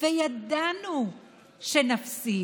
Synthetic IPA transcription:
vejɐd̪anu | ʃɛnɐfsi

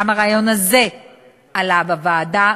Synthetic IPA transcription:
amaʁaːjo̞naze̞ | alavavaːda

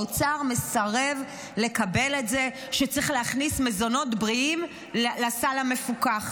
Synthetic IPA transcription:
ot͡saʁme̞saʁe̞v | le̞kabe̞le̞tze̞ | ʃet͡sʁiχleaχnisme̞zo̞no̞tbʁiim | lasalame̞fukaχ

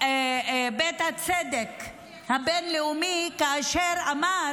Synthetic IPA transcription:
bet̪hat͡sed̪ek | habenleumikaːʃeɾama

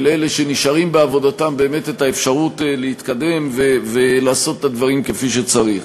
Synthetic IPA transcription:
lele̞ʃe̞niʃaʁimbeavo̞datambe̞ːme̞tetaefʃaʁutlehit̪kade̞mvevelaːso̞t̪e̥tad̪vaʁimkefiʃ̬et͡saʁiχ

